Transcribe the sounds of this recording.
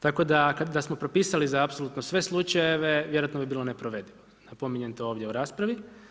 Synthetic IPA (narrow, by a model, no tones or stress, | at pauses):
t̪ako̞d̪akad̪asmo̞pɾopiːsalizaapsolut̪nosʋe̞slˠut͡ʃajeʋe̞ʋjeoat̪nobibiːlˠone̞pɾoʋe̞d̪iʋo | napo̞miɲe̞nt̪ooːʋd̪jeuɾaːspɾaʋi